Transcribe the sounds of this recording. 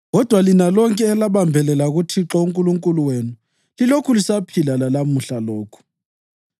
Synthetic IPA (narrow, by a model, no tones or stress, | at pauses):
ɣɔd̥ʱwalinalɔŋkʼɛːlaɓambʱɛlɛlaɣutʰiǁɔuŋkʼuluŋkʼuluwenu | lilokʰulisapʰilalalamuɬalɔːkʰu̥